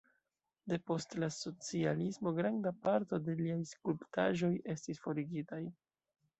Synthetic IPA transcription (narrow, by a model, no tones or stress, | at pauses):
de̞po̞stlaso̞t͡sialismo̞ɡɾandapaɾto̞de̞liajskulptʰa̰ʒo̞je̞stisfo̞ɾiɡitaj